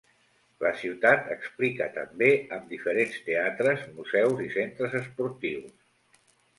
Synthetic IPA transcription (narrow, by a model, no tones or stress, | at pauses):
ləsiwt̪at̪əksplikət̪əmbeəmd̪ifəɾenst̪eat̪ɾəzmuzɛwzisent̪ɾəzəspuɾt̪iws